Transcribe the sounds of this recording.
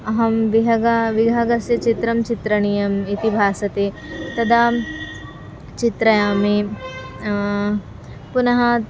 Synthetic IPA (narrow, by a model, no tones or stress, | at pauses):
ɐɦɐmʋiɦɐɡaʋiɡʱaɡɐsjɐt͡ʃit̪ɾɐmt͡ʃit̪ɾɐɳijɐmit̪ibʱaːsɐt̪eː | t̪ɐd̪ʱaː | t͡ʃit̪ɾɐjaːme | punɐɦɐ